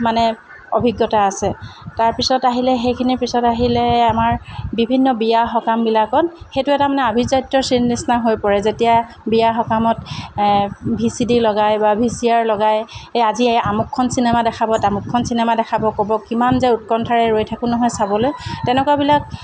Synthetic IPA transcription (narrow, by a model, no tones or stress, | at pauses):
manɛ | obʱiɡːɔtaːsɛtaɹpisɔtaɦilɛxejkʰinipisɔtaɦilɛamaɹbibʱinːɔbijaxɔkambilakɔnxejtʊɛtamanɛabʱizajtɹɔsinisnaɦojpɔɹɛzetija | bijaxɔkamɔt | bʱisidilɔɡajbabʱisiaɹlɔɡajazieamukʰːɔnsinɛmadɛkʰabɔtamukʰːɔnsinɛmadɛkʰabɔkɔbɔkimanzɛut̚kɔntʰaɹɛɹojtʰakʊnɔɦɔjsabɔlojtɛnɛkuabilak̚